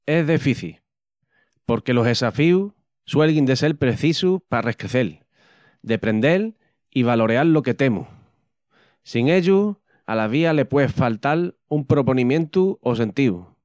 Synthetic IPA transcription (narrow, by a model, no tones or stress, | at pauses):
e̞zðefiθḭl | po̞ɾke̞lo̞ɦe̞safiu | swe̞lɣind̪e̞se̞lpɾe̞θisupare̞hkɾeθe̞l | d̪e̞pɾe̞nd̪e̞l | iβ̞alo̞ɾeaɾlo̞ke̞t̪e̞mṵ | siŋe̞ʎu | a̰laβ̞iale̞pwe̞falt̪al | umpɾo̞po̞nĩmjẽ̞nt̪uo̞s̬e̞nt̪iu